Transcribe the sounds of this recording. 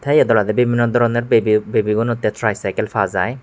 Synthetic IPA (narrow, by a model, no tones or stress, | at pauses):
t̪ʰajɛd̪ɔlad̪ɛbibʱinːɔd̪ɔɾɔnɛɾbibebiɡɔnut̪ːɛtʰɾajsajkɛlpʰazaj